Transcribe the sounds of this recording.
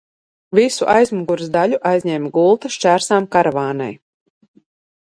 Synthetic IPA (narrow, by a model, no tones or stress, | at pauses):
visuʔajzmuɡuɾszd̪aʎuʔajzʲɲɛmɡulˠt̪aʃt͡ʃæːɾsaːmkaɾvaːna̰j